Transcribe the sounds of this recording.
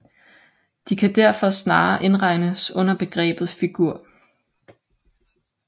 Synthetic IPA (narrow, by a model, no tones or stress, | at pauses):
d̥ikʰæd̥æɐ̰fɒ̽snɑ̈ːʔe̝nʁɑ̈ɪnəsɔ̽n̰ɐb̥e̝ɡ̥ʁɛ̰ːb̥ð̞̩ˠfiɡ̥uɐ̰